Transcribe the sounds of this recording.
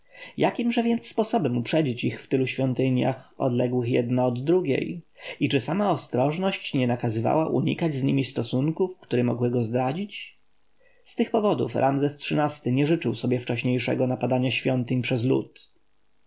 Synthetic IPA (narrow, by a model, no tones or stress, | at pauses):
jakʲimʐɛvʲjɛnt̪sːpɔsɔbɛmupʂɛd͡ʑit͡ɕixft̪ɘluɕfʲjɔnt̪ɘɲja̰xɔ̰d̪lɛɡwɘxjɛ̰d̪naɔd̪ːɾuɡʲḛjit͡ʂɘsamaɔst̪ɾɔʐnɔɕt͡ɕɲɛnakazɘva̰waʔṵɲḭkad͡ʑzɲimʲist̪ɔsuŋkufkt̪uɾɛmɔ̰ɡwɘɡɔzd̪ɾad͡ʑit͡ɕ | st̪ɘxpɔvɔd̪ṵfɾʔamzɛstʂɘnast̪ɘɲɛʐɘt͡ʂɘwsɔbʲjɛft͡ʂɛɕɲejʂɛ̰ɡɔnapad̪aɲaɕfʲjɔnt̪ɘɲpʂɛzlṵt̪